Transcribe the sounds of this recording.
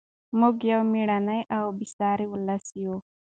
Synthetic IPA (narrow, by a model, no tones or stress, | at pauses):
muɡjawmiɽanajʔawbisɑɾiwulasijo